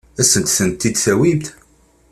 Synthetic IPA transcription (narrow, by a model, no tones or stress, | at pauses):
æsənt̪θənt̪ːid̪θæwibt̪